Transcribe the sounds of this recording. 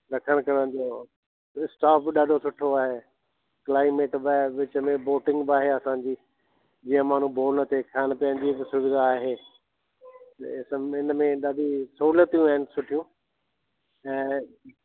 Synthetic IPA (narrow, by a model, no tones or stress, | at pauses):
ɾɐkʰəɽ̃kɐɾəñʊd͡ʑoː | ɪsʈaːpɗaːɖʱosʊʈʰoaːɦeː | klaːɪmeːʈbʋɪt͡ɕəmẽboːʈɪ̃ŋɡbaːɦeɐsãːɲd͡ʑiː | d͡ʑiːə̃maːn̤ũboːlnɐt̪ʰekʰaːñ̆pɐ̃ɪ̃nd͡ʑiksʊʋɪd̪aːɦeː | t̪sɪnmẽɗaːɖʱisɐuːlət̪ijũaːɦɪnɪ̆sʊʈʰijũ | ɛ̃ː